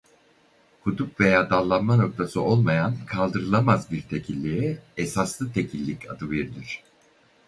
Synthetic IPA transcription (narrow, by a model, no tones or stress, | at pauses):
kʰud̪upve̞jaːd̪alˠːanmano̞k̚t̪ʰasɯʔo̞lˠmajankʰalˠd̪ɯɾɯlˠamazbiɾt̪ʰe̞cʰilʲːiiesaslˠɯt̪ʰe̞cʰilʲːicʰa̰d̪ɯveɾid̪ʲiɾ̝̥